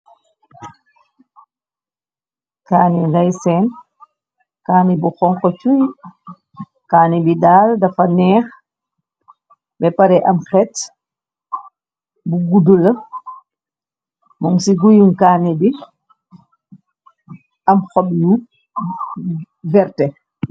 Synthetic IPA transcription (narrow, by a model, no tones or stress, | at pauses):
kaːniɡajsɛn | kaːnibuxɔŋkɔt͡ʃuj | kaːnibidaːldafanɛːx | bɛpaɾɛʔamxɛt | buɡudula | mɔmsiɡujunkaːnibi | ʔamxɔɓju | vɛɾtɛ